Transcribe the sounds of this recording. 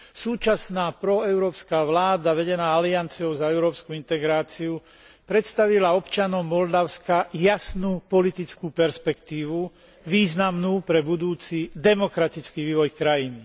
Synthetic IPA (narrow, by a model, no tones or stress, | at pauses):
suːt͡ʃasnaːpɾɔɛʊɾɔːpskaːʋlaːd̪aʋɛɟɛnaːaliant͡siɔʊzaɛʊɾɔːpskuint̪ɛɡɾaːt͡siu | pɾɛt̪st̪aʋilaɔpt͡ʃanɔʊmːɔld̪aʊskajasnuːpɔlit̪it͡skuːpɛɾspɛkt̪iːʋu | ʋiːznamnuːpɾɛbud̪uːt͡sid̪ɛmɔkɾat̪it͡skiʋiːʋɔjkɾajini